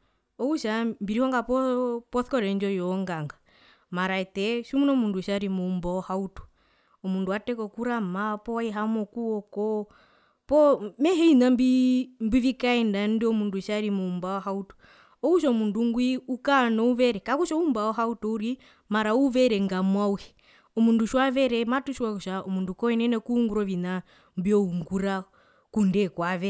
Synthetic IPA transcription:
ɔuʃambiɾihɔŋɡapɔpɔθkɔɾɛɲd͡ʒɔjɔŋɡaŋɡa | maɾaɛtɛʃumunɔmunduʃaɾimumbaɔhautu̥ | ɔmunduatɛkɔkuɾamapɔwaiɦamɔkuɔkɔ | pɔmɛɦɛinambimbwivikaɛndandɛɔmunduʃaɾimumbaɔɦautɔ̥ | ɔkuʃɔmunduŋɡwiukanɔuβɛɾɛkakuʃɔumbaɔɦautɔuɾi | maɾauβɛɾɛŋɡamwawɛ | ɔmunduʃwaβɛɾɛmatuʃwakuʃaɔmundukɔwɛnɛnɛkuuŋɡuɾɔʋina | mbjɔuŋɡuɾa | kundɛkwaʋɛ

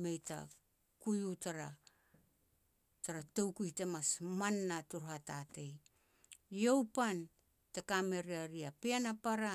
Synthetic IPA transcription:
me̞jta̰ | kujutaɾa | taɾato̞wkuite̞masmanːatuɾhatate̞j | jo̞wpan | tekame̞ɾiaɾiapeanapaɾa

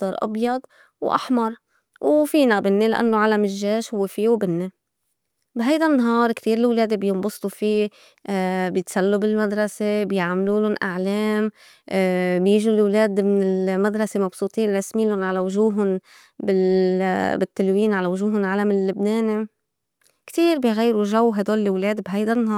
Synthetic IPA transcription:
t̪ːɑɾˤʔɑ̰bjɑd̪ˤ | wʔa̰ħmɑɾˤ | wfiːnabɪnːelaʔa̰nːoʕalamɪʒːeːʃhʊwːefiːwbɪnːe | bɦajd̪anːaɦɑːɾˤkt̪iːɾɪlwleːd̪ebjɪmbʊst̪ˤufiː | bjɪt̪salːubɪlmad̪ɾˤɑsebjʕmluːlʊnʔaʕleːm | bjiːʒulwleːd̪mɪnɪlmad̪ɾˤɑsemɑbsˤuːt̪ˤiːnɾˤɑsmiːlʊnʕalawʊʒuːɦʊn | bɪ | bɪt̪ːɪlwiːnʕalawʊʒuːɦʊnʕalamɪlːʊbneːni | kt̪iːɾbɪjɣajːɾuʒawːɦajd̪oːllwleːd̪bɦajd̪anːhɑːɾ

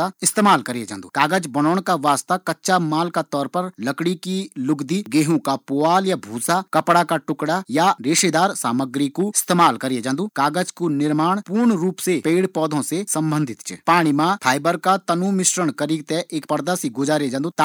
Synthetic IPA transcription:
aɪst̪eːmaːlkɐɾied͡ʒã̰ːnd̪ṵːkaːɡəd͡ʒbɐnɔːɽ̃kaʋaːst̪akɐtːʃamaːlkat̪ɔːɾpɐɾlɐkɽikilʊɡd̪iɡeːɦõkapʊaːljabʱuːsakɐpɽakaʈʊkɽajaɾeːʃed̪aːɾsaːməɡɾikoɪst̪eːmaːlkɐɾied͡ʒãːnd̪ukaːɡəd͡ʒkonɪɾmaːɽ̃puːɾɳɾuːpsepeːɽpɔːd̪ʱõsesɐ̃mbə̃nd̪ʱɪt̪t͡ʃɛ̰paːɽ̃imãpʰaːjbəɾkat̪ɐnumɪʃɾəɽ̃kɐɾiːɡ̚t̪ɛʔeːkpɐɾd̪asiɡʊd͡ʒaːɾed͡ʒãnd̪ut̪a

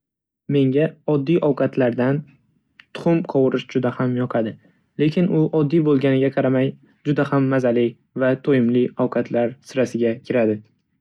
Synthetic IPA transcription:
me̞ŋɡʲaɒd̪ːijʔɒwqʰɑt̪ʰlaɾd̪an | t̪ʰʊ̥χʊmqʰɒwɨɾɪʃd͡ʒʊd̪ahamjɒqʰɑd̪ɪ | le̞kʲʰɪnʊʔɒd̪ːijbolˠɡʲanɪɡʲaqʰɑɾamaj | d͡ʒʊd̪ahamːazalɪ | vat̪ʰojɪmlɪɒwqʰɑt̪ʰlaɾsɪɾasɪɡʲakʲʰɪɾad̪ɪ

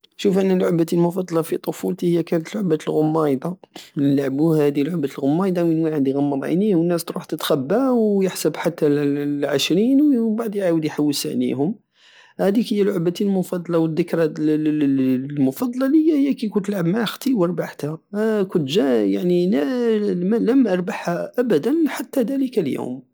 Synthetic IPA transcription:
ʃufʔənːælʕʊbæt̪ilmʊfɑd̪ˤɑlɑfit̪ˤofult̪ihəjːækænət̪əlʕʊbæt̪əlɣʊmːɑjd̪ɑnlʕbuhhæd̪ilʕʊbæt̪əlɣʊmːɑjd̪ˤɑmənwaʕəd̪iɣæmːəɾˤʕa̰niwənːæst̪ɾuħt̪ət̪xæbːæwjəħsəbħat̪ːæʕəʃɾinwbaʕd̪jʕawəd̪jħawːəlsæ̰ʔnḭhʊm | hæd̪ikəjːælʕʊbæt̪ilmʊfɑd̪ˤlɑwəd̪ːəkɾ | lmʊfɑd̪ˤɑlɑlhəjːæhəjːækæjkunt̪əlʕəbmaʕxt̪iwəɾˤbaʕt̪ækʊt̪ʒæjaʕninæmləmʔɑɾˤbaħhæʔæbæd̪ænħat̪ːæd̪æləkæljṵm

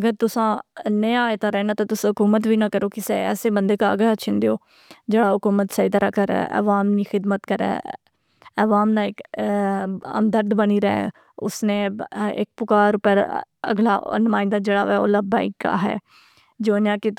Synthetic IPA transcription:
əɡəɾt̪ʊsãːnəjaːet̪ãːɾɛːnaːt̪ãːt̪ʊsãːɦʊkuːmət̪ʋiːnãːkəɾoːkɪsɛɛ̰ːseːbənd̪eːkaəɡlaːt͡ʃʰɪ̃nd̪ejoː | d͡ʒeːɽaːɦʊkuːmət̪səid̪aɾaːkəɾɛ̰ːʔə̰ʋaːmniːxɪd̪mət̪kəɾɛ̰ː | əʋaːmnãːɪk | ə̰md̪əɾd̪bəniːɾɛ | ʊsnẽːɪ̰k̚pʊkaːɾʊpəɾ | ə̰ɡla̰ːnʊmaːɪ̃nd̪aːd͡ʒeːɽa̰ːʋɛːo̰ːləbã̰ːɪkːa̰ːɦɛ̰ː | d͡ʒoːnãːkɪ

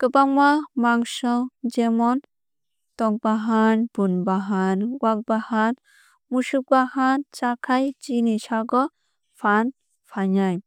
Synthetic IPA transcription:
kɯbaŋmamaŋsɔŋd͡ʒemɔn | tɔk̚baɦanbunbaɦanɡwak̚bahan | muʃuk̚bahant͡ʃakʰajd͡ʒinisaɡɔ | pʰan | pʰaɲaj

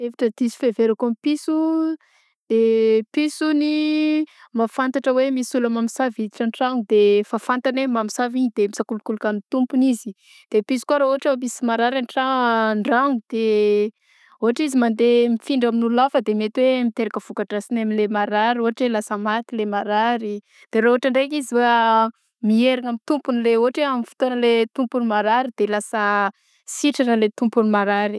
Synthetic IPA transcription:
evaʈ͡ʂəd̪̥isu̥feveɾakumpisu | d̪̥episuni | mafant̪aʈ͡ʂəwemisulamamisavid̪iʈ͡ʂanʈ͡ʂaŋud̪efafant̪anemamisaviɲid̪̥emisakulukulukanit̪umpunizi | d̪̥episu̥kwaɾaoaʈ͡ʂamisimaɾaɾaniʈ͡ʂaɳɖ͡ʐaŋud̪̥e | oɦaʈ͡ʂizimand̪emifiɳɖ͡ʐaminululafəd̪emet̪wemit̪eɾakəv̥ukaʈ͡ʂasinamilemaɾaɾioaʈ͡ʂelasəmat̪ilemaɾaɾi | d̪̥eɾaoaʈ͡ʂaɳɖ͡ʐekizia | mieɾaŋamit̪umpunileoɦaʈ͡ʂeamifu̥t̪anəlet̪umpunimaɾaɾid̪̥elasə | siʈ͡ʂanəlet̪umpunimaɾaɾi

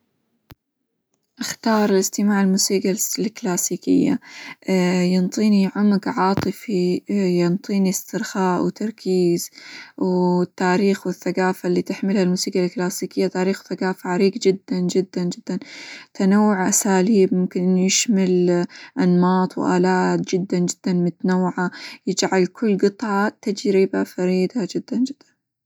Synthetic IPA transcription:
ʔaxt̪ɑːɾˤɪlɪst̪ɪmaːʕɪlmuːsiːɡalklaːsiːkɪ̰jːa̰ | jɑnt̪ˤiːniʕʊmɡʕɑːt̪ˤɨfijɑnt̪ˤiːnist̪ɪɾxaːʔwt̪ɑɾˤkʰiːz̥wɪt̪ːaːɾiːxwɪθːaɡaːfalːiːt̪ɪħmɪlhalmuːsiːɡalklaːsiːkɪjːat̪aːɾiːxwθaɡaːfaʕaɾiːɡd͡ʒɪd̪ːand͡ʒɪd̪ːand͡ʒɪd̪ːant̪anawːʊʕʔasaːliːbmʊmkɪnʔɪnːjɪʃmalʔanmɑːt̪ˤwʔaːlaːt̪̚d͡ʒɪd̪ːand͡ʒɪd̪̥ːanmʊt̪anawːʕajɪd͡ʒʕalkʊlːɡɨt̪ˤʕɑt̪ad͡ʒɾibafaɾiːd̪ad͡ʒɪd̪ːand͡ʒɪd̪̥ːann

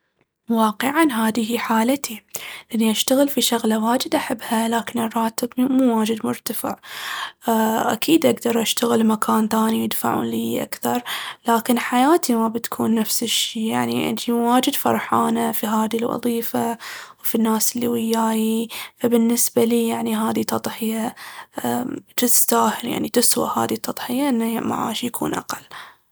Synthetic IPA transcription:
wɑːqɨʕanɦaːðɪhiħaːlat̪ilʔanːiʔaʃt̪aɣɪlfiʃaɣlawaːd͡ʒɪd̪ʔaħɪbːhalaːkɪnɪrˤːɑːt̪ɪbmuːwaːd͡ʒɪd̪mʊɾt̪afɪ̰ʕ | ʔa̰kʰiːd̪ʔaɡd̪ɑɾˤʔaʃt̪aɣɪlmakʰaːnt̪aːnijɪd̪fa̰ʕṵːnliːʔa̰kθɑɾˤlaːkɪnħajaːt̪ʰimabɪt̪kʰuːnːafsɪʃːiːjaʕniʔd͡ʒiwaːd͡ʒɪd̪fɑ̰ɾˤħaːnafiɦaːðilʔɑ̰ðˤiːfawfinːaːsɪlːiwɪjːaːjifabɪnːɪsbaliːjaʕniɦaːðit̪ɑt̪ˤħɪja | t̪ɪsst̪aːhɪlja̰ʕnit̪ɪswa̰ʔha̰ːðit̪ːɑt̪ˤħɪjaʔɪnːama̰ʕa̰ːʃjakʰṵːnʔa̰qalː

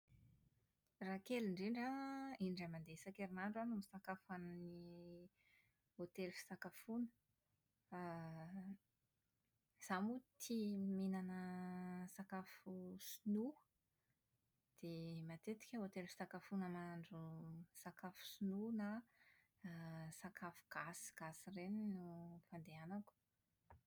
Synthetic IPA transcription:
rakeliɳɖ͡ʐiɳɖ͡ʐaiɳɖ͡ʐamand̪esakeɾinaɳɖ͡ʐanumisakafanni | ot̪elfi̥sakafunə̥ | z̥amut̪ʰiminanəsakafusunu | d̪̥emat̪et̪i̥kʲəot̪elfi̥sakafunəmaɳɖ͡ʐusakafu̥sununa | sakʰafuɡ̥asɡ̥asireninufand̪eanaku̥

